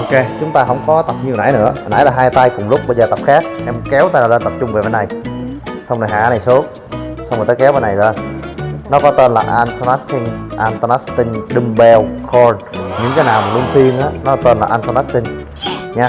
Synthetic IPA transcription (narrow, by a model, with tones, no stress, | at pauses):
ʔo˧ke˧t͡ɕʊ˨˦ŋ͡mt̪aː˧ɦə̰˧wŋ͡mkɔ˨˦t̪ə˨˩p̚ɲi˧əna̰˧˥˦jnɨ̰˧˥ənʔa̰ː˧˥jlaː˨˩ɦaː˧jt̪a˧jkʊ˨˩ŋ͡mlʊ˦˥k͡p̚ɓə˧zəː˨˩t̪ə˨˩p̚xaː˦˥k̚ʔɛ˧mkɛ˨˦wt̪a˧jnaː˨˩zəː˧nt̪ə˨˩p̚t͡ɕʊ˧ŋ͡mve˨˩vaː˨˦jna˨˩jsa˧wŋ͡mno˨˩ɦa̰ː˧˩na˨˩jsu˨˦əŋ̚ | sa˧wmoː˨˩t̪ːjkɛ˨˦wa˧na˨˩jza˧ | nɔ˨˦kɔ˨˦t̪e˧nlaː˨˩ʔa˧nt̪o˧na˦˥k̚t͡ɕi˧ŋʔa˧nt̪o˧na˦˥st̪i˧ŋɗi˧mɓɛ˧wkʰɔ˧nɲɨ̰˧˥ŋt̪aː˨˦jnaː˨˩wmaː˨˩lu˧əŋt̪i˧ənʔaː˨˦nɔ˨˦t̪e˧nlaː˨˩ʔa˧nt̪ːna˦˥k̚t̪ï˧ŋ | ɲaː˧